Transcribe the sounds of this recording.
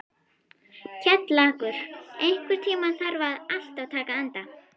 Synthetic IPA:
cʰɛt̪laːkʏɾ̥ejn̥kʏɾ̥t̪ʰiːmaθaɾvaðal̥t̪awt̪ʰaːkaant̪a

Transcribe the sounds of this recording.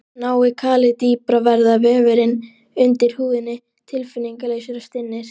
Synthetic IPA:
naːwɪkʰaːlɪt̪iːpɾavɛɾðavɛːvɪɾɪn | ʏnt̪ɪɾ̥huːðɪnːɪ | t̪ʰɪlfɪnːiŋkaleːjsʏɾast̪ɪnːɪɾ̥

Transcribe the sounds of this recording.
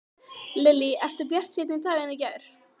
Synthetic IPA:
lɪlːiɛft̪ʏɾpjɛr̥t̪sɪt̪nɪt̪ʰaːɛnːacɛjɾ̥

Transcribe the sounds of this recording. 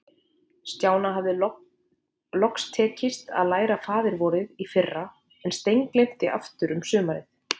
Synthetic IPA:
st̪jaːwnaɦavðɪ | lɔkst̪ʰɛːcɪst̪a̰ðlaːjɾafaːðɪɾvɔɾɪðifɪrːa | ɛnst̪ejŋklejm̥t̪ɪʔa̰ft̪ʏɾʏmsʏːmaɾɪθ

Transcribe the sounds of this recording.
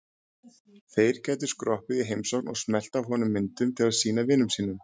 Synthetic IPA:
θejɾ̥cɛjt̪̬ʏ̥ɾ̥skɾɔhpɪðiɦejmsɔwknɔɣsmɛl̥t̪avɦɔnʏmːɪnt̪ʏmt̪ʰɪlaðsiːnavɪnːʏmsiːnːʏm

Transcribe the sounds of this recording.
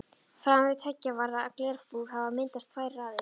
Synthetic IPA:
fɾamɾɪt̪ʰɛcːavaɾðaaklɛɾfpuːɣhavamɪnt̪ast̪faːjɾraːðɪ

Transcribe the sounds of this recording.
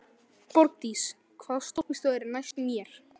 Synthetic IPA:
pɔɾt̪is | kʰvaːðst̪ohkmɪst̪uɛɾnajst̪mjɛɾ̥

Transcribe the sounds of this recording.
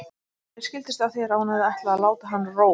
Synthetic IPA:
ɛɾ̥scɪlt̪ɪst̪aθjɛɾahunaðɪɛht̪laːðlaːwt̪aɦanːroː

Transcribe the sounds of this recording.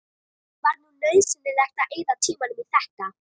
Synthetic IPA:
vaɾnunlœɥðsɪnːɪɾɛht̪aʔejðawt̪ʰiːmanʏmiθɛhka

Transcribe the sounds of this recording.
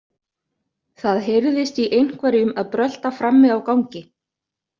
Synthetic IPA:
θaðɦeɾðɪst̪iʔejn̥kvaɾjʏmaðpɾœl̥t̪afɾamːɪðawkawɲcɪ

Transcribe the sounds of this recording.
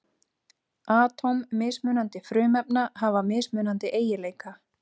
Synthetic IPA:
aːt̪ʰɔwmːɪːsmʏːnant̪ɪfɾʏːmɛpnahavamɪːsmʏːnant̪ɪʔeːjɪleːjka

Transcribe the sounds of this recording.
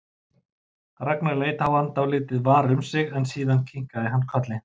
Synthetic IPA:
ɾaknaɾleːjt̪hawant̪awlɪːt̪ɪðvaːɾʏmsɪɣɛnsiːðancʰiŋ̥kaðɪɦanːkʰœt̪lɪ

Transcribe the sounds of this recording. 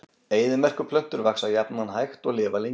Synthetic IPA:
eːjðɪmɛr̥kʏpʰlœn̥t̪ʏɾvaksajapnanɦajxt̪ɔɣlɪːvale

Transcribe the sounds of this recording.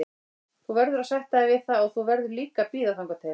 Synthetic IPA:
θuvɛɾðʏɾasajht̪aɪvɪðθaɔɣθuvɛɾðʏɾliːkapiːðaθaŋkat̪ʰejɾ

